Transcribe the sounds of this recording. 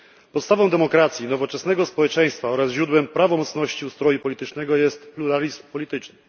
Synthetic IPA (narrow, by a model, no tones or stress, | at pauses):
pɔt̪st̪avɔ̃w̃d̪ɛmɔkɾat̪sʲjinɔvɔt͡ʂɛsn̪ɛɡɔspɔwɛt͡ʂɛj̃st̪faɔɾasʑɾud̪wɛmpɾavɔmɔt̪snɔɕt͡ɕiust̪ɾɔjupɔlʲit̪ɘt͡ʂnɛɡɔjɛst̪pluɾalʲizmpɔlʲit̪ɘt͡ʂnɘ